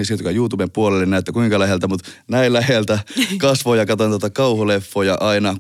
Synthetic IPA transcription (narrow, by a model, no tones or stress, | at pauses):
isit̪okɑjuːt̪ubempuolelːenæˑyt̪ːækuiŋkɑlæhelt̪æmut̪næillæhelt̪ækɑsʋoːjɑkɑt̪ont̪ot̪ɑkɑuholefːojɑʔɑinɑ